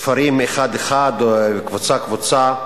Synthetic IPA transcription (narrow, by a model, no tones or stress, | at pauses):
faɾimeχad̪eχad̪kvut͡sakvut͡sa